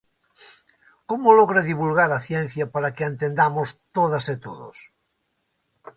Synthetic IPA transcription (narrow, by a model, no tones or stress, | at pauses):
komoloɣɾeðiβulɣaɾaθjen̟θjapaɾakeent̪end̪amost̪oðaset̪oðo̰s